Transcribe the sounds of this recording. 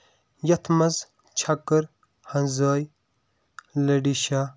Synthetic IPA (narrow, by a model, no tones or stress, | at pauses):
jɐt̪ʰmɐz | t͡ʃʰɐkːəɾ | hɐnzɐːj | lɐɖiʃaː